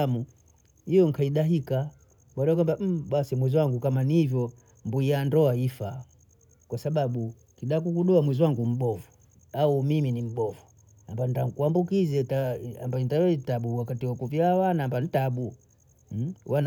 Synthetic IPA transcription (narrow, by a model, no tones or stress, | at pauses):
amu | ijɔŋ̩kʰaiɗaɦika | ɓalɛakwambam̩ɓasimwɛzwaŋɡukamanivjɔ | mbuijandɔaifa | kwasaɓaɓu | kiɗakukuɗɔamwɛzwaŋɡum̩ɓɔvu | aumiminim̩ɓɔvu | ambantaŋkuambukizɛtaambaɔntaɛitaɓuwakatiwakuvjawanamban̩itaɓu | wan